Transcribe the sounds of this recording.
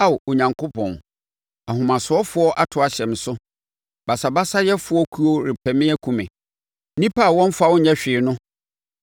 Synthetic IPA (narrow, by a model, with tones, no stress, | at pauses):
a˦˨wo˨ɲã˨ŋkʰo˦pʰɔ̰̃˨n | a˨ɦʊ̃˨mã˨sʊ˨ɔ˦fʊ˦ɔ˦ʔa˨tʰʊ˨˦a˨ɕɛ̃˨m˨sʊ˦ | ba˨sa˨ba˦sa˦jɛ˦fʊ˨˦ɔ˦kʰu˦ɔ˦ɾɪ˨pʰɛ˨mɪ̃˦æ˦kʰũ˨mɪ̃˨ | nĩ˦pʰa˦˨wɔ̃˦n˦fa˦˨wʊ˦ɲɛ̃˦ɕᶣɪː˨nʊ̃˦